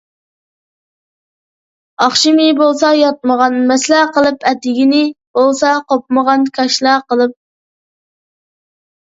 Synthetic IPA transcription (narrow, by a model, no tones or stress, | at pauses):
ɑχʃɪmɪbolˠsɑjɑt̪̚məʁɑnmɛslæqəlˠɨpʰɛt̪ʰːɪɡʲinɪb̥olˠsɑqopməʁɑnkʲʰɑʃlˠæqəlˠɨp̚